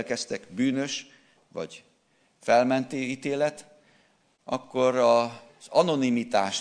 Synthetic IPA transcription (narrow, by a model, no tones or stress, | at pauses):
lkɛst̪ɛɡbyːnø̞ʃ | ʋɒ̰ɟ | fɛlmɛnt̪eit̪eːlɛt̪ | ɒkːo̞ɾɒ | z̥ɒno̞nimit̪aːʃ